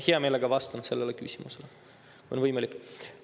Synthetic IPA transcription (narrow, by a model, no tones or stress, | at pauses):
heɑme̞ːleɡ̥ɑvɑst̪ɑnse̞lːelekysimusele | kujonvɤjmɑlʲikːˑ